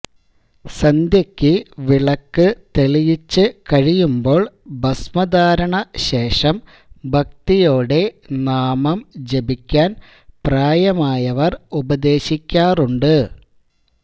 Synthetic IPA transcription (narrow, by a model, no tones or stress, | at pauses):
sɐnd̪jɐkʲːɨʋiɭɐkːɨt̪eɭijit͡ɕːɨkɐɻijumbo̞ːɭbɐsmɐd̪aːɾɐɳɐɕe̞ːʂɐm | bʱɐk̚t̪ijo̞ːɽe̞naːmɐmd͡ʑebikʲːaːn | praːjɐmaːjɐʋɐrubɐd̪e̞ːɕikʲːaːruɳɖɨ